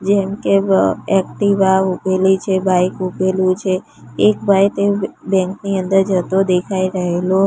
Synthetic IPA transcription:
d͡ʒɛmkeɛk̚ʈiʋaʋupelit͡ʃʰebajkupelũt͡ʃʰeː | k̚bʱajt̪ebɛ̃ŋkniənd̪əɾd͡ʒət̪od̪ekʰaiɾəɦelo

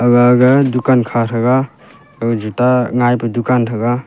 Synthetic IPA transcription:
ɐɡaːɡɐdukankʰaɾʰɐɡa | əɡɐd͡ʒutaŋajpɯdukantʰɐɡa

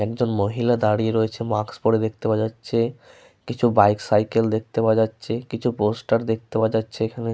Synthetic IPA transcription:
ɛkd͡ʑonmoɦilad̪aɽieɾoet͡ɕʰemakspoɾed̪ekʰt̪ebad͡ʑatːɕʰe | kit͡ɕʰubajksajkeld̪ek̚t̪ebad͡ʑatːɕʰekit͡ɕʰuposʈaɾd̪ek̚t̪ebad͡ʑatːɕʰeekʰane

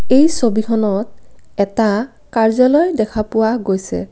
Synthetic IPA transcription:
ejsobikʰɔnɔt̚ɛta | kaɹzalɔjdɛkʰapʊwaɡojsɛ̰

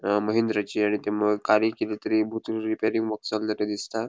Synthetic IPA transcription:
məɦind̪ɾat͡ɕiːaɽ̃it̪eməɡkaɾikelet̪əɾibʱut̪ulɾipeɾiŋɡʋɔksald͡z̪aʈed̪ist̪a

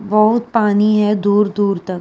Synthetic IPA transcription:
bɐɦʊt̪̚paːniɦɛd̪uːɾd̪uːɾt̪ɐk̚

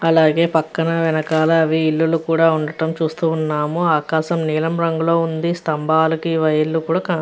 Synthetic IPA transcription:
ɐlaːɡe̞ːpɐkːɐnɐʋɛnɐkaːlɐːʋiːlːulukuːɽaːuɳɖɐʈɐmt͡ʃuːst̪uːnːaːmuaːkaːʃɐmniːlɐmɾɐŋɡulo̞ːund̪ist̪ɐmbʱaːlɐkiʋɐjɐlːukuːɽaːkaː

